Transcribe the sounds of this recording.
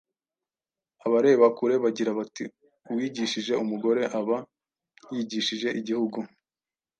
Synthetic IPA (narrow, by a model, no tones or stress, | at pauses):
aβaɾe̞βakuɾe̞βaɟiɾaβati | uwiɟiʃiʒe̞umuɡo̞ɾe̞ʔaβa | jiɟiʃiʒe̞ʔiɟihuɡu